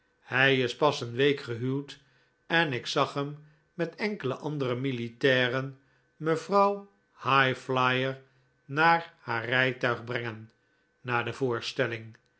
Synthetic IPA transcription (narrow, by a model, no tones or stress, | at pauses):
hɛjɪspɑsənʋejkχəɦywt | ɛnɪksɑχɦəmː | ɛtɛŋkələʔɑndərəmilitɛːrən | məvrɑw | hajflajəɹ | naːɹhaːrɛjtœɥχbrɛŋən | naːdəvʊːɹstɛlɪŋ